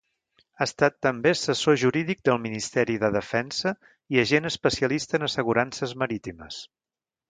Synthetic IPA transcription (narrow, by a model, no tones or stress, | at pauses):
aəst̪at̪ːəmbesəsoʒuɾiðik̚d̪əlˠminist̪ɛɾiðəðəfɛnsə | iəʒenəspəsiəlist̪əːnəsəɣuɾansəzməɾit̪imə̰s